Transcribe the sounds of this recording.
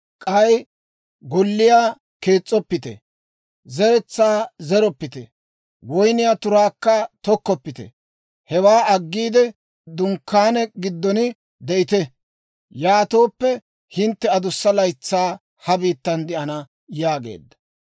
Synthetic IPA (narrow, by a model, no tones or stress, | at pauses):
kʼɐj | ɡɔlːɪjaː | keːt͡sʼːɔpːɪt̪ɛ̰ | zɛɾɛt͡sːaːzɛɾɔpːɪt̪ɛ̰ | wɔjnɪjat̪ʊɾaːkːɐt̪ɔkːɔpːɪt̪ɛ̰ | hɛwaːɐɡːiːd̪ɛ | d̪ʊŋkːaːnɛɡɪd̪ːɔnɪ | d̪ɛʔɪt̪ɛ | jaːt̪o̞ːpːɛ | hɪnt̪ːɛɐd̪ʊsːɐlɐjt͡sːaː | hɐbiːt̪ːɐnd̪ɪʔɐnɐ | jaːɡḛːd̪ːɐ̥